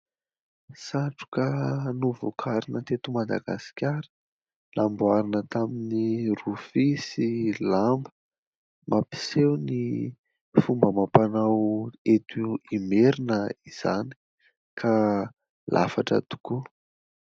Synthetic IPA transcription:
saʈ͡ʂu̥kanuvukʰaɾinət̪et̪umad̪a̰ɡasi̥kʲaɾə̥ | nambwaɾinət̪aminirufisilambə̥ | mapi̥sewni | fumbəmapanawet̪ʰuimeɾinəiz̥a̰ni̥ | kʰa | lʔa̰faʈ͡ʂa̰d̪u̥ku

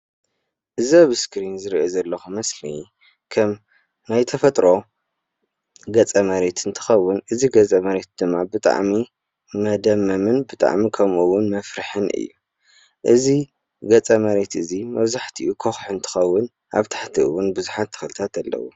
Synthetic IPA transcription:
ʔɨzaβɨskɾinzɨɾiʔozɐlːɐxumɐsli | kʰɐm | najt̪ʰɐfɐt̪ʼɾo̞ | ɡɐt͡sʼɐmɐɾe̞t̪ʰɨnt̪ʰɨ̥xɐwːʊnʔɨziɡɐt͡sʼɐmɐɾe̞t̪̚d̪ɨmːabɨt̪ʼa̰ʕmi | mɐd̪ɐmːɐmɨnbɨt̪ʼa̰ʕmikʰɐmʔuwʊnmɐfɾɨħɨnʔɨ̰jːu | ʔɨzi | ɡɐt͡sʼɐmɐɾe̞t̪ɨzimɐβzaħt̪ʰiʔukʰoxħɨnt̪ʰɨ̥xɐwːʊn | ʔa̰βt̪ʰḁħt̪ʰiɨwʊnbɨzuħat̪ʰːɨ̥xɨlɨt̪ʰat̪alːɐ̰wṵ

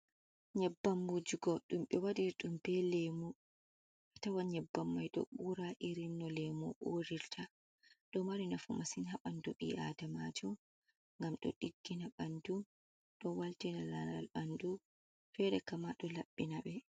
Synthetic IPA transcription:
ɲɛbːamːud͡ʒiɡɔɗumɓɛwadiɾɗumbɛlɛmu | katawaɲɛbːamːajɗɔ̰ɓuɾaʔiɾinːɔlɛmṵʔoɾiɾtʰa | ɗɔmaɾinafumasinhaɓanduɓiʔa̰damad͡ʒɔm | ŋɡamɗɔ̰ɗiɡːinaɓandu | ɗɔwaltinalala̰lɓandu | fɛɾɛkamaɗɔlaɓːinaɓɛ

